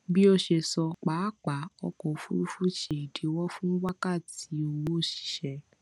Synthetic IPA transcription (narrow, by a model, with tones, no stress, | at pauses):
bi˦o˧ʃe˧sɔ˧k͡pa˨˦˨k͡pa˨˦ɔ˧kɔ˨˧fu˦fu˦ʃe˨i˨de˨˦wɔ˦fũ˦wa˦ka˦˨ti˨˦o˧wo˦˨ʃi̥˨ʃɛ˨˦